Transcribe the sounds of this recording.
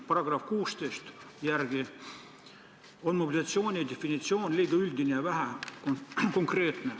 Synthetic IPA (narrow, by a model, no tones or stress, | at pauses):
pɑɾɑɡ̥rɑfkuːst̪ejst̪ | jærɡ̥i | onmobʲilʲiɑt̪sio̞ːnʲid̪efːinʲit̪sio̞ːnʲlʲiːɡ̥ɑylʲd̪inejɑvæɦækko̞ŋkre̞ːt̪ne